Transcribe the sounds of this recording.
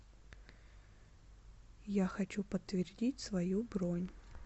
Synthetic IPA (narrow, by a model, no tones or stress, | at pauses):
jaxɐt͡ɕupət̪ːvʲɪrdʲitʲsvɐjubɾonʲ